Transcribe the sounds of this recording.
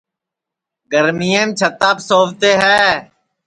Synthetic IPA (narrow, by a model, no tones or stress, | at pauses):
ɡəɾmiːẽːmt͡ʃʰət̪aːpsoːʋt̪eːɦɛː